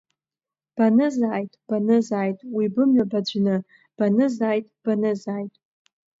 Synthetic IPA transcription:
b̥anɨzaːjtʼb̥anɨzaːjtʼwibɨmɥabad͡ʒʷnɨ | b̥anɨzaːjtʼb̥anɨzaːjtʼ

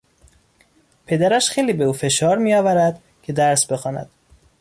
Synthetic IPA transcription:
pʰe̞d̪æɾæʃxejliːbeuːfe̞ʃɒːɾmiːjɒːvæɾæd̪̥ | cʰe̞d̪æɾsbe̞xɒːnæ̰d̪̥

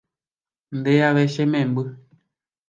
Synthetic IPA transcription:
ndeaβɛʃemɛ̃mbɨ

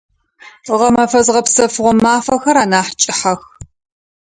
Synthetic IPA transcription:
ʁɐmɐfɐzʁɐpsɐfɨʁʷɔmaːfɐxɐɾaːnaːħt͡ʃʼɪħax

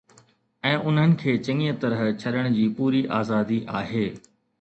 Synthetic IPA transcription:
ɛ̃ːʔʊn̤ɦənɪ̆kʰeːt͡ɕɐ̃ŋiə̃t̪ɐɾəɦt͡ɕʰɐɗəɽ̃d͡ʑiːpuːɾiʔaːzaːd̪iʔaːɦeː

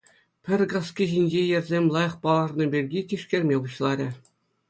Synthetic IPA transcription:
pʲɘ̆rʲɡɑskʲiʑinʲd͡ʑejɘ̆rʲzʲemʲlˠɑjɤ̆χpɑlˠɑʐnɤ̆bʲerʲɡʲitʲiʂkʲerʲmʲebuɕlˠɑɾʲɘ̆

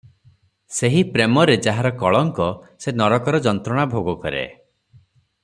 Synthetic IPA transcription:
seɦipɾemɔɾed͡ʒaɦaɾɔkɔɭɔŋkɔ | senɔɾɔkɔɾɔd͡ʒɔnt̪ɾɔɽ̃abʱoɡɔkɔɾḛ

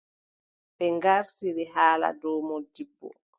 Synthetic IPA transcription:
bɛŋɡaɾsiɾiɦaːla̰dɔːmɔdibːɔ̰

